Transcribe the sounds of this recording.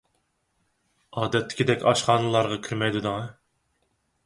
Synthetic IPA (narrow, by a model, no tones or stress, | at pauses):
ɑːd̪ɛt̪ʰːɪ̥kʲid̪ɛkʲɑʃχɑːnɨlˠɑɾʁɑkʲʰyɾmɛjd̪ɨd̪ɨŋɑ